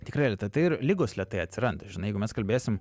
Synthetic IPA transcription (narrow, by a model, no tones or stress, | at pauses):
t̪ʲɪkɾɐɪlʲiɛt̪ɐɪt̪ɐɪɪrlʲɪɡoːslʲiɛt̪ɐɪɐt̪ʲsʲɪɾɐnd̪ʒʲɪnɐɪjɛɪɡʊmʲɛskɐlʲbʲeːsʲɪm